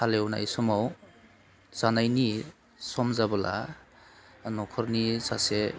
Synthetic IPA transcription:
alewna̰jsɔmaw | z̥anajni | sɔmzabɔla̰ | nɔkʰɔɾnisa̰se

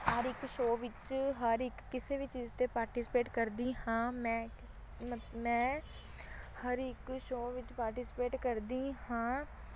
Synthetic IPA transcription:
həɾɪkʃoːʋɪt͡ʃɦəɾɪkːɪseːʋiːt͡ʃɪzt̪eːpaːɾʈiːsɪ̥peːʈkəɾd̪iːhãːmɛ̃ː | mɛ̃ː | həɾɪkʃoːʋɪt͡ʃpaːɾʈiːsɪ̥peːʈkəɾd̪iːhãː

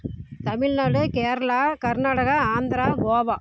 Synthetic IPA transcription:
t̪ɐmɪɻnaːɽɯkeːɾɐlaːkɐɾnaːɽɐɣɐaːnd̪ɪɾaːɡoːʋaː

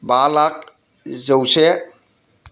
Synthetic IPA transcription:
balak̚ | zəwse

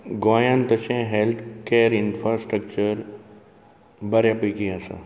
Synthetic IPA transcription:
ɡãːjant̪əʃẽɦelt̪ʰkeːɾɪnfɾaːsʈɾək̚t͡ʃəɾ | bɐɾjapikiãsa̰

